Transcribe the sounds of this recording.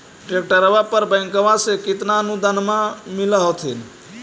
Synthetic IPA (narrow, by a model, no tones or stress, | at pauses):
ʈɾek̚ʈəɾəbapəɾbə̃jŋkəʋãsekit̪naənud̪ʱənmamiləɦot̪ʰin